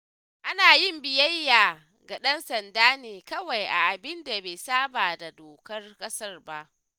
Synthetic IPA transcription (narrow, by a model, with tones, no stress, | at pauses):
ʔa˦naː˨jɪ˦mbɪ˨jɐ˦jːaː˨ | ɡa˨ɗɐ˦nsɐ˨ndaː˦neː˨kɐ˦wa˨jʔa̰˨ʔa˨bɪ˦nda˨beː˨saː˦baː˨da˨doː˨kɐ˦rkʼɐ˦sɐ˦rba˦ʔ